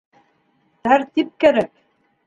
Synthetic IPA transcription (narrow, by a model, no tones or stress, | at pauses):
t̪æɾt̪ip̚kæɾæk̚